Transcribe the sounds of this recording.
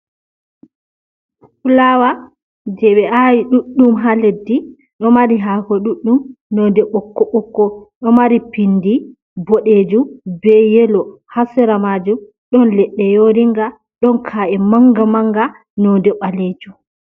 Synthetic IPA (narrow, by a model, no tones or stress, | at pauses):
fulawa | d͡ʒɛɓɛajiɗuɗːumɦaledːi | ɗɔmaɾiɦakɔɗuɗːumnɔdɛɓɔkːɔɓɔkːɔɗɔmaɾipindi | bɔɗeːd͡ʒubɛjɛlɔ | hasɛɾamad͡ʒu | ɗɔnlɛɗːɛjoɾiŋɡa | ɗɔnkʰaʔɛmaŋɡamaŋɡa | nɔdɛɓaleːd͡ʒu